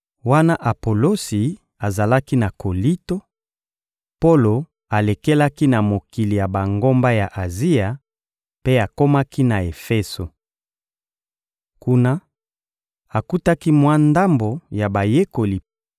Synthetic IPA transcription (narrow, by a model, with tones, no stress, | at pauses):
wa˦na˦ʔa˨po˨lo˦si˨ | a˨za˨la˦ki˦na˨ko˨li˦to˦ | po˦lo˨ | a˨le˨ke˦la˦ki˦na˨mo˨ki˨li˨ja˨ba˨ŋɡo˦mba˦ja˨ʔa˨zi˦a˨ | pe˦a˨ko˦ma˦ki˦na˨e˨fɛ˦so˨ | ku˦na˦ | a˨ku˦ta˦ki˦mwa˦nda˦mbo˨ja˨ba˨je˦ko˨li˨